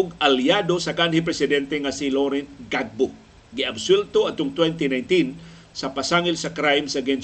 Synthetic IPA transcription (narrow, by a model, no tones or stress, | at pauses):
ʊɡaljad̪osɐkanhipɾɛsɪd̪ɛnt̪ɛŋasiloɾɛnt̪̚ɡaɡ̚bo | ɡɪɐbswɛlt̪oɐd̪̚ʊŋt̪wɛnt̪inajnt̪in | sɐpasaŋɪlsɐkɾajmsɐɡɛn